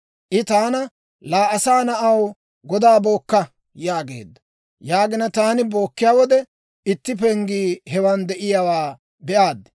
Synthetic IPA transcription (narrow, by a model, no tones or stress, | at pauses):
ʔɪt̪aːnɐ | laːʔɐsaːnɐʔɐw | ɡɔd̪aːbo̞ːkːɐ | jaːɡḛːd̪ːɐ̥ | jaːɡɪnɐt̪aːnɪbo̞ːkːɪjaːwɔd̪ɛ | ɪt̪ːɪpɛŋɡiːhɛwand̪ɛʔɪjaːwaː | bɛʔaːd̪ːɛ̥